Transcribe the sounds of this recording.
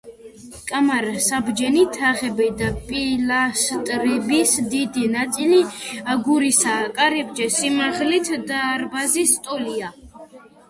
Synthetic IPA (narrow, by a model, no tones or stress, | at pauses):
kʼamaɾsabd͡ʒɛnit̪ʰaʁɛbid̪apʼilast̪ʼɾɛbisd̪id̪inat̪sʼiliaɡuɾisaːkʼaɾɛb̚d͡ʒɛsimaʁlit̪ʰd̪aːɾbazist̪ʼɔlia